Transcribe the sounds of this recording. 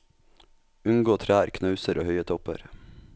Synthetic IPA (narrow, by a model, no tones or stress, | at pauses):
ʉŋɡoːt̪ʰɾæːɾkʰnɑʉsəɾʔoːhœʏət̪ʰɔpə̰ɾ